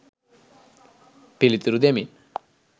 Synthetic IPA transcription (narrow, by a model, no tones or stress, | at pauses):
pilit̪iɾud̪emin